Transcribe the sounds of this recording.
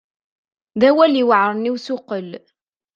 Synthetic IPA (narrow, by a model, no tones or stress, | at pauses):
ðæwæliwəʕɾˤniwsʊqəl